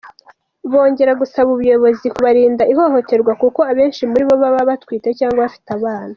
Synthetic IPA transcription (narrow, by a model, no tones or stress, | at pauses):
βo̞ːɲɟe̞ɾaɡusaβuβujo̞βo̞zikuβaɾiːndaʔiɦo̞ho̞te̞ɾɡwakuko̞aβe̞ːnʃimuɾiβo̞βaβaβatwiːte̞caːŋɡwaβafi̥taβaːna